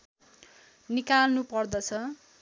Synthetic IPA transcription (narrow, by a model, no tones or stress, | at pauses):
nikalnupʌrd̪ʌt͡sʰʌ